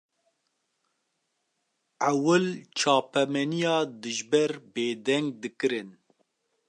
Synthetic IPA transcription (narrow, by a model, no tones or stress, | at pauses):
ʔawɨlt͡ʃʰɑːpɛmɛnijɑːd̪ɨʒbɛɾbeːd̪ɛŋɡ̚d̪ɨkɨɾɨn